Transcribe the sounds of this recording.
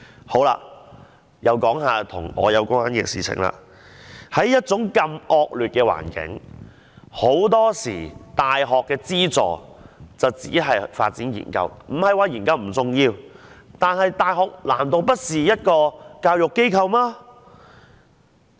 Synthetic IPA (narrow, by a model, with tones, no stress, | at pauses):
ho˨˥wla̰ː˧ | jɐ˨˧wkɔː˨˥ŋɦaː˨t̪ʰʊ̰˨˩ŋɔ̰ː˨˧jɐ˨˧wkʊ˥ŋa˨˥nkɪɛ̰ː˧sḭː˨t͡sʰɪ̰˨˩ŋla̰˧ | hɐ˨˥jːɐ˥t̚t͡sʊ˨˥ŋkɐ˧mɔː˧k̚lyː˨t̚kɛː˧wa̰ː˨˩nkɪ̰˨˥ŋ | ho˨˥wt̪ɔː˥siː˨˩t̪aː˨jɦɔː˨kːɛː˧t͡siː˥t͡sɔ̰ː˨t͡sɐ˨wt͡sḭː˨˥ɦɐ˨jfa̰ː˧t̚t͡siː˨˥njḭː˨˩nkɐ̰˧wm̩˨˩hɐ˨jwaː˨˧jiː˨˩nkɐ˧wm̩˨˩t͡sʊ˨ŋjiː˧wt̪aː˨nhɐ˨jt̪aː˨jɦɔː˨k̚laː˨˩mt̪o˨˧wpɐ˥t̚siː˨jɐ˥t̚kɔː˧kaː˧wjʊ˨kːe˥jkʰɐ˧wmaː˥